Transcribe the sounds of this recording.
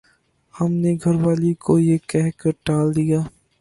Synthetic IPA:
hɐmneɡʱɐɾʋaːlikojekɛɦkɐɾʈaːld̪ijaː

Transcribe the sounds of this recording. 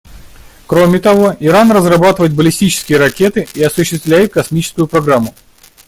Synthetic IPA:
kɾomʲɪt̪ɐvo̞ɪɾanrəzrɐbat̪ɨvəjɪt̪̚bəlʲɪsʲtʲit͡ɕɪ̥skʲɪjəɾɐkʲe̞t̪ɨiɐsʊɕːɪst̪vlʲæjɪt̪̚kɐsmʲit͡ɕɪ̥skʊjʊpɾɐɡɾamːʊ

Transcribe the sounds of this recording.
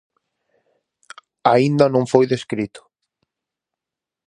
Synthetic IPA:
aind̪anõŋfojðeskɾit̪ʊ̥

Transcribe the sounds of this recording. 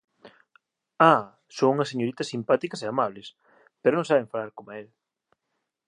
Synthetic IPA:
a | soŋuŋɐseɲoɾit̪ɐsimpat̪ikɐseamaβlɪs | peɾonõŋsaβeɱfalaɾkomel

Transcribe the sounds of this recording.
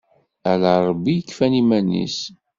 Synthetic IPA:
ælaˤbːijəkːfænimænːḭs

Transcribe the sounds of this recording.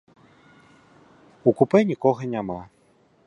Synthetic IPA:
ukupɛnʲikɔɣɐnʲama

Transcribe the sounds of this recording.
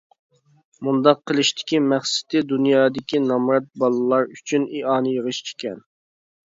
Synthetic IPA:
mund̪ɑqʰːəlˠɨʃt̪ʰɪ̥kʲimæχsɪ̥t̪ɪd̪unjɑːd̪ɪkʲinɑmɾɑt̪̚bɑlˠɨlˠɑɾyt͡ʃʰyniʔɑːnɨjəʁəʃt͡ʃʰe̥kʲɛn

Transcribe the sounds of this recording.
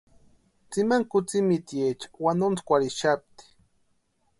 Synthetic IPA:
t͡simaŋkʊt͡simit̪ijet͡ʃḁwanont͡skʷaɾiʃap̚t̪i̥

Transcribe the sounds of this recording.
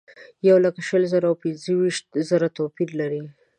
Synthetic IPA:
jawlakaʃəlzəɾawpɪnzəwiʃt̪̚zəɾat̪opillaɾi

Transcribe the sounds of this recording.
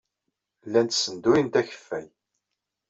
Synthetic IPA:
lːænt̪sənd̪ujənt̪æçə̥fːæj

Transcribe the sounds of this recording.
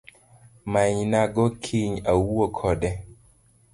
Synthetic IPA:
maɲnaɡokʰiɲawuokʰɔdɛ

